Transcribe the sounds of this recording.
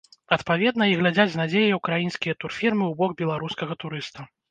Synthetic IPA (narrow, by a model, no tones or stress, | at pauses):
ɐt̪pavʲɛd̪nɐiɣlʲad͡zʲad͡zʲznad͡zʲejɐjukɾajinskʲijɐt̪urfʲirmɨwbɔɡ̚bʲɛlˠaɾuskɐɣɐt̪uɾɨst̪ɐ